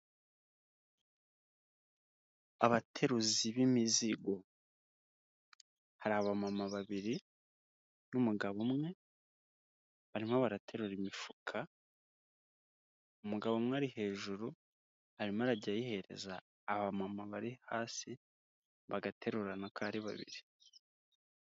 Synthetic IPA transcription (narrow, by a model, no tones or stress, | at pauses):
aβatʰe̞ɾuziβimiziɡo̞ | haɾaβamamaβaβiɾi | numuɡaβomŋe̞ | βaɾimoβaɾatʰe̞ɾuɾimifukʰa | umuɡaβomŋeaɾihe̞ːʒuɾu | haɾimaɾaɟajihe̞ɾḛzaː | βamamaβaɾihaːsi | βaɡatʰe̞ɾuɾanokʰaːɾiβa̰βḭɾi